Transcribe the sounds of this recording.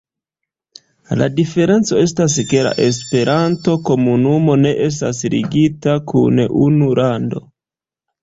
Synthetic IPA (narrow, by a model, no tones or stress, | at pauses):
la̰dife̞ɾe̞nt͡so̞e̞s̬tas̬ke̞la̰ʔe̞s̬pe̞ɾʔanto̞ko̞munumo̞ne̞ʔe̞s̬ta̰slḭɡitakʰṵnʔunuɾʔando̞